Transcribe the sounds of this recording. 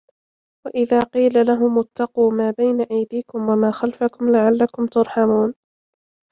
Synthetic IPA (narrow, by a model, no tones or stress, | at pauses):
waʔɪðaːqiːlalaɦʊmʊt̪ːɑquːmaːbajnaʔajd̪iːkʊmwamaːxalfakʊmlaʕalːakʊmt̪ʊɾˤħamuːn